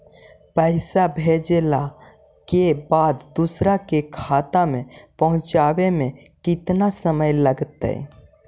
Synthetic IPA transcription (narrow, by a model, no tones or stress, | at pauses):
pəɪsabʱed͡ʒela | kebad̪d̪usɾakekʰat̪amẽpəɦʊ̃t͡ʃawemẽ | kɪt̪nasəməjləɡt̪ə̰j